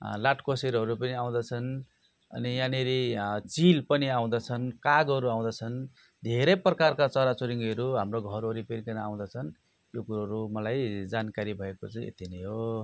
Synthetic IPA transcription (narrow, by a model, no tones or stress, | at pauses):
laʈkoseɾɦʌɾupʌniaw̃d̪ʌt͡sʰʌn | ʌ̰nijaneɾit͡silpʌniaw̃d̪ʌt͡sʰʌnkaɡɦʌɾuaw̃d̪ʌt͡sʰʌn | d̪ʱeɾʌprʌkarkat͡sʌɾat͡soɾiŋɡʌɾuɦamroɡʱʌɾʌɾipeɾikanaa̰w̃d̪ʌt͡sʰʌn | jokuɾuɦʌɾumʌlajd͡zankaɾibʱʌekot͡sʌj̃ḛt̪ineɦo